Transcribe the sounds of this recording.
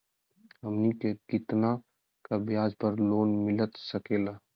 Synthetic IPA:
əmnikeɡ̥ɪt̪na | kabɪjaːd͡ʒpəɾloːnmɪlət̪səkeːlaː

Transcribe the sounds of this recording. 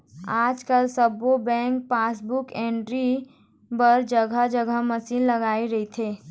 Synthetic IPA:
aːd͡ʒkəlsəbobɛ̃ːŋk̚paːsbʊkẽːɳɖɾi | bəɾd͡ʒəɡʱəd͡ʒəɡʱəməsiːnləɡaːiɾɐɦit̪ʰeː

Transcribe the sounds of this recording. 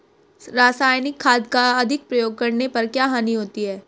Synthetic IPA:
ɾaːsaːjnɪkʰːaːd̪kaɐd̪ʱɪk̚pɾɐjoːɡ̚kɐɾnepɐɾkjaːɦaːniɦoːt̪iɦɛː

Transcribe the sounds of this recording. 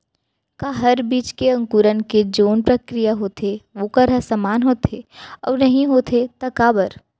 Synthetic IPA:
kaɦɐɾbiːt͡ʃkeɐ̃ŋkuɾənked͡ʒoːnpɾɐkɾijaɦoːt̪ʰeʋoːkəɾɦɐsamaːnɦoːt̪ʰeɔ̰ːɾnɐɦĩɦoːt̪ʰet̪ɐkaːbəɾ

